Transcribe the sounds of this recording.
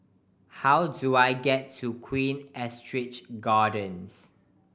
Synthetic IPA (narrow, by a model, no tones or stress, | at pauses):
hawduajɡɛtʰːukʰwĩnɛstɹɪt͡ʃɡaːdə̃ns